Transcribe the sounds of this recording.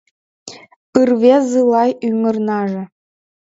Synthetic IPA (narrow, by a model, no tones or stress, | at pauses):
pɯrβʲezɯlˠɑjymɤ̆rnɑʐɤ̆